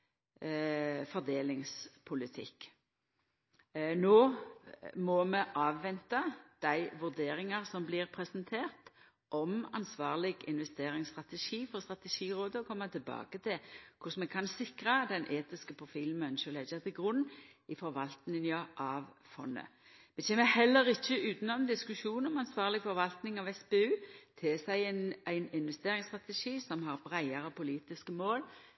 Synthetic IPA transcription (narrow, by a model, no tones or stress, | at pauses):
fɔʁd̪eːlɪŋspʰʊlɪt̪ʰɪ̰kː | noː | mɔmɛʔɑːʋːɛnt̪ɑd̪̥æɪʋʉʁd̪eːɾɪŋɑʁsɔmblɪʁpʰʁɛsənt̪ʰeːʁt̪ | ʔɔmɑ̰nsʋɑːʁlɪɡɪ̰nʋɛst̪eːɾɪŋst̪ʁɑt̪ɛʂiːfɔʁst̪ʁɑt̪ɛʃiːʁoːd̪əɔkʰɔmːɑt̪ʰɪlbɑ̰ːɡət̪ʰɪlkʰʊsmɛɡkʰɑnsɪkʁɑd̪ɛnʔeːt̪ɪskəpʰɾʊfiːln̩mœnʃəlɛɡət̪ʰɪlɡɾʉnː | ɪfɔɾʋɑlt̪nɪnjɑʔɑʋfɔnːə̰ | ʋɛt͡ʃʰeːməhɛlːəɾɪçːəʉːt̪nɔmd̪ɪskʉʃuːnɔmɑnsʋɑːʁlɪɡfɔɾʋɑlt̪nɪŋɑʋɛspeːʉːt̪ʰɪsæɪnæɪnɪnʋɛst̪eːɾɪŋst̪ʁɑt̪ɛʃiːsɔmɦɑɾbɾæɪɑɾəpʰʊliːt̪ɪskəmoːl